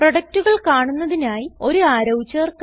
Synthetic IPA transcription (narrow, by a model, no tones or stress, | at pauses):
prɐɽɐk̚tuɣɐɭkaːɳunːɐðinaːjio̞ɾuaːɾɐwt͡ɕːɐːrk